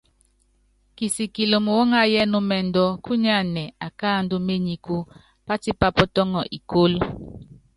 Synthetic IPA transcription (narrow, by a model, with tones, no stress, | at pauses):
ki˨si˨ki˨lo˨mo˨wɔ˦ŋa˦jɛ˦nu˦mɛ˨ndɔ˦kʰu˦ɲa˦˨nɛ˨a˨kaː˦˨ndu˦me˦ɲi˨ku˦ | pa˦ti˦pa˦pɔ˦tɔ˦ŋɔ˨ʔi˨ko˦lo˦